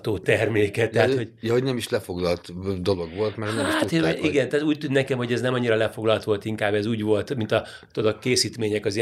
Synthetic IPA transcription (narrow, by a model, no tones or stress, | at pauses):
t̪oːt̪ɛrmeːkɛt̪ːɛɦaho̞ɟjɒɦoɟnɛmiʃlɛfo̞ɡlɒlt̪d̪o̞lo̞ɡʋo̞lt̪mɛɾmatt̪ʔiɡɛnt̪aːt̪uːc̚t̪ynnɛkɛmho̞ɟɛznɛmɒɲːiɾɒlɛfo̞ɡlɒlt̪ʋo̞lt̪iŋkaːbɛzuːɟʋo̞lt̪mint̪ɒ | t̪od̪okkːeːsiːt̪meːɲɛkɒzi